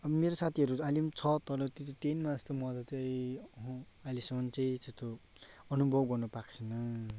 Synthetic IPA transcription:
ʌbʌmeɾosat̪ʰiʌɾualimt͡sʰʌt̪ʌɾʌt̪it̪ot̪enmad͡zʌst̪omʌd̪ʌt͡sʌjĩʌɦõ | alisʌmʌnt͡sʌĩt̪est̪o | ʌnubʱʌbɡʌrnʌpakt͡sʰʌnʌ

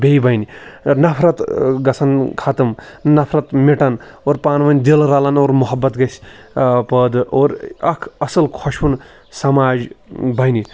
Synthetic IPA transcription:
bejbʱɐjninɐpʰɾɐt̪ɡɐsʰɐnkʰat̪ɐmnɐpʰɾɐt̪meʈɐnoɾpaːnʋɐnʲd̪elɾalɐnoːɾmuɦɐbːɐt̪ɡɐsʲpəd̪oɾɐkʰɐsɐlkʰoʃun | sɐmaːd͡ʒbʱɐjni

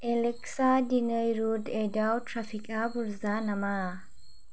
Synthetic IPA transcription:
elɛksadinɯjɾudedawtʰɾapʰikabuɾzanama

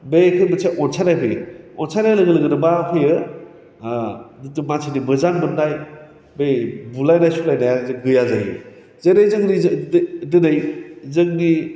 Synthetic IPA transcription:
bekʰɯbɯseʔɔnsʰanajpʰɯjɔnsanajlɐɡɯlɯɡɯnɯbapʰɯjɯ | dɯtumasʰinibɯzaŋbɯnːaj | bejbulajnajsulajnajazeɡɯjazajɯ̰ | zenajzɯŋnidɯnɯjzɯŋni

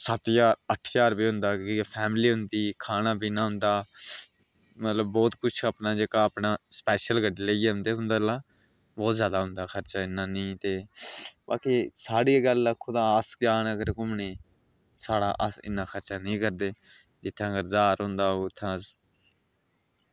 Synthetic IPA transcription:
sət̪jaːɾəʈʰːjaːɾbiːɦʊ̃nd̪aːkipʰɛːmliːɦʊnd̪iːkʰaːnãːbiːnãːɦʊ̃nd̪aː | mət̪ləbːɔːt̪kʊt͡ʃʰaːpnaːd͡ʒeːkaːpnaːspɛːʃəlɡəɖeːleːɡːɦʊ̃nd̪eːɦʊnd̪aːlaː | bɔːt̪zjaːd̪aːɦʊ̃nd̪aːxʰəɾt͡ʃaːɪnːãːnĩːt̪eːba̰ːkiːsaːɽiːɡəlːaːkʰʊd̪ãːəsd͡ʒaːnəɡəɾkʊmneː | saːɽa̰ːʔəsɪ̰nːãːxʰəɾt͡ʃaːnĩːkəɾd̪eː | d͡ʒɪt̪ʰːãːɡəɾzaːɾɦʊ̃nd̪aːɦoːɪt̪ʰːãːs

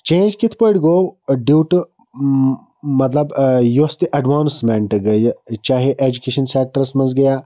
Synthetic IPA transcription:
t͡ʃẽːnd͡ʒkɪt̪ʰpəɽɡoːɖiwʈ | mɐt̪lɐbjust̪iʔɐɖʋaːnsmẽɳʈɡɐjt͡ʃaːɦeʔeːd͡ʒukeːʃənseːk̚ʈəɾsmɐzɡɐjaː

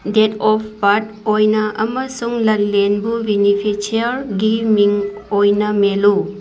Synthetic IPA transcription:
detɔppat̚ | ojnɐʔɐmɐsuŋlɐlenbubinipʰet͡ʃiɐɾɡimiŋojnɐmelu

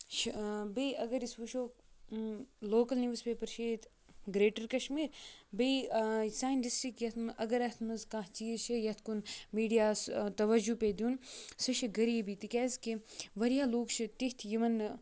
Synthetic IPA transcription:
ʃbɐiɐɡɐɾisʋuʃoː | loːkɐlniʋspeːpɐɾʃeːt̪ | ɡɾeːʈɐɾkɐʃmiːɾbɐisaːjnʈisʈɾikjɐt̪ʰmʔɐɡɐɾɐt̪ʰmɐzkaɦt͡ʃijʃijɐt̪ʰkunmiːɖijaːst̪ɐʋɐd͡ʒuped̪uːnsɨʃiɡɐɾiːbit̪ikʲɛːzkiʋɐɾijaːloːkʃʰit̪it̪ʰjimɐn

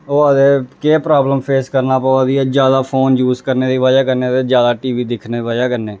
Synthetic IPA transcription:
oːəd̪eːkeːpɾaːbləmpʰeːskəɾnaːpəʋaːd̪iːɛːd͡ʒjaːd̪aːpʰoːnjuːzkəɾneːd̪iːʋaːd͡ʒaːkəɾneːt̪eːd͡ʒjaːd̪aːʈiːʋiːd̪ɪkʰneːd̪iʋaːd͡ʒaːkəɾneː

